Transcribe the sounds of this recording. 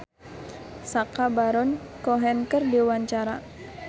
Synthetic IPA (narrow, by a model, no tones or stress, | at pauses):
sakabaɾɔnkɔɦɛnkərdewaɲt͡ʃaɾa